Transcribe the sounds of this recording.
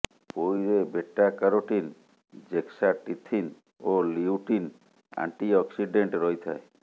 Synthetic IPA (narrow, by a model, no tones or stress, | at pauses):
pojɾebeʈːakaɾoʈin | d͡ʒeksaʈit̪ʰːin | oliuʈin | a̰ɳʈiɔksiɖeɳʈɾɔjt̪ʰae